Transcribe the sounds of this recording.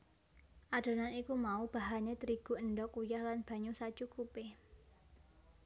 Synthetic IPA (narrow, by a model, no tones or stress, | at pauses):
ʔad̥o̤nanikumaub̥a̤ɦaɲet̪əɾiɡ̥ṳənɖɔkujahlanb̥ä̤ɲusḁt͡ʃukupɪ